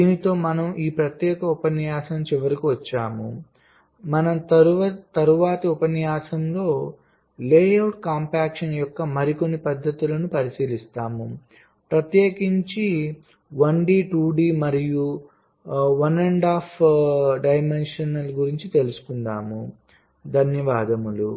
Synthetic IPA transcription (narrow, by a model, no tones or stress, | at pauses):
d̪iːnit̪o̞ːmɐnɐmiːpɾɐt̪jɛːkɐupɐnjaːsɐmt͡ʃiʋɐɾikiʋɐt͡ʃːaːmṵ | mɐnɐmt̪ɐɾt̪ɐɾuʋaːt̪ɐupɐnjaːsɐmlo̞ː | leːjɐwʈkaːmpaːkʂɐnjɔkːɐmɐɾiko̞nːipɐd̪ʱːɐt̪ulɐnupɐɾisiːlist̪aːmu | pɾɐt̪jeːkiɲt͡ʃi | ʋɐɳɖiːʈuːɖiːmɐɾiju | ʋɐneɳɖaːpʰɖɐjmenʂɐnɐlɡuɾiɲt͡ʃit̪e̞lusu̥kund̪aːmu | d̪ʱɐnjɐʋaːd̪ɐmulṵ